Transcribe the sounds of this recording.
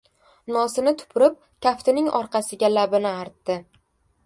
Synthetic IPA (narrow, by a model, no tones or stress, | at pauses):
nɒsɪnɪt̪ʰʊ̥pʰʊɾɪp̚ | kʲʰaft̪ɪnɪŋɒɾqʰɑsɪɡʲalabɪnɪaɾt̪ːɪ